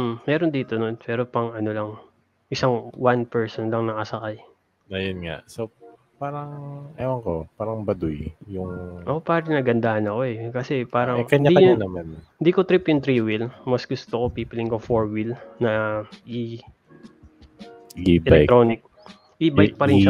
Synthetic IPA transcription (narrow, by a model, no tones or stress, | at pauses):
mmɛːɾond̪iːt̪ono̞npɛːɾopɐŋɐno̞lɐŋ | ʔɪsaŋwanpɛɹsonlɐŋnɐkɐsɐkaj | nɐjonŋa̰ʔso | paːɾɐŋɐjawɐŋkopaːɾɐŋbɐd̪ujjʊŋʔɐkopaːɾɪnɐɡɐnd̪ahɐnɐko̞ɛkɐsɛpaːɾɐŋkɐɲɪɲaɐɲnɐmanhɪnd̪iːkot̪ɾipjʊŋt̪ɾiːwilmɐsɡʊst̪okopiːpɪlɪŋkofoɹwilnɐʔi | ibɛlɛj̪ɾoːnɪk̚ | ʔibajk̚pɐɾɪnʃa